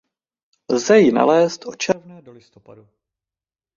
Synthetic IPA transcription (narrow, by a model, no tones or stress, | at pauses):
lzɛjɪna̰lɛːst̪ʔo̞t͡ʃɛɾvnɛːdolɪst̪opadu